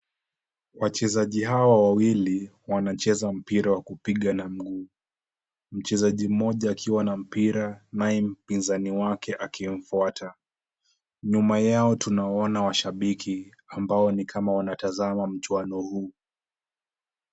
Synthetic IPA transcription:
wat͡ʃɛzaʄiɦawawawili | wanat͡ʃɛzam̩piɾawakupiɠanam̩ɠuː | m̩t͡ʃɛzaʄim̩ɔʄaːkʰiwanam̩piɾanaɛm̩pinzaniwakɛʔakim̩fuatʰa | ɲumajaɔtunaɔnawaʃaɓikʰi | ambaɔnikʰamawanatazamam̩t͡ʃwanɔhuː

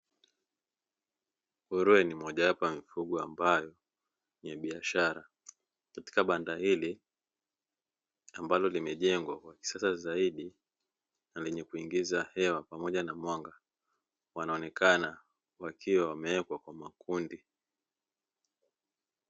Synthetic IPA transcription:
huɾuɛnimɔʄawapamifuɠɔambajɔ | ɲɛɓiaʃaɾa | kati̥kaɓandahili | ambalɔlimɛʄɛŋɡwakwaki̥sasazaiɗi | nalɛɲɛkuiŋɡizahɛwapamɔʄanamwaŋɡa | wanaɔnɛkʰana | wakiwawamɛɛkwakwamakʰundi

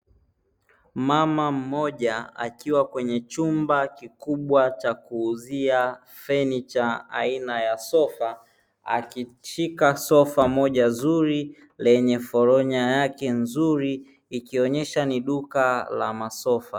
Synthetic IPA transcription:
mamam̩mɔʄaa̰kiwakwɛɲɛt͡ʃumbakikuɓwat͡ʃakuːzia | fɛnit͡ʃaa̰inajasɔfa | a̰kit͡ʃikasɔfamɔʄazuɾi | lɛɲɛfɔɾɔɲajakɛnzuɾiː | kiɔɲɛʃaniɗukala̰masɔfa

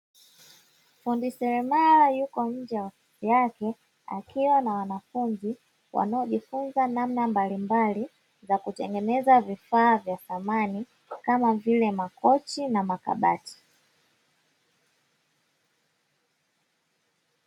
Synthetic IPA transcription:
fundisɛɾɛmalajukɔm̩d͡ʒɛwa | jakɛ | a̰kiwanawanafunzi | wa̰naɔʄifunzanamnambalimbali | zakutɛ̰ŋɡɛnɛzavifaːvjaθamani | kamavilɛmakʰɔt͡ʃinamaka̰ɓa̰ti̥

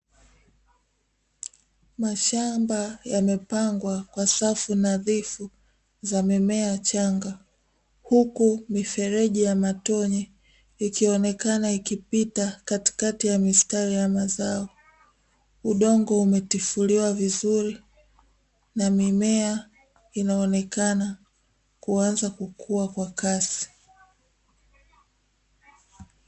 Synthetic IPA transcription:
maʃambajamɛpaŋɡwakwasafunaðifu | zamɛmɛat͡ʃaŋɡa | hukumifɛɾɛʄijamatɔɲɛ | ikiɔnɛkanaikipitakati̥katijamistaɾijamazaɔ | uɗɔŋɡɔumɛtifuliwavizuɾi | namimɛa | inaɔnɛkana | kuanzakukʰuakwakasi̥

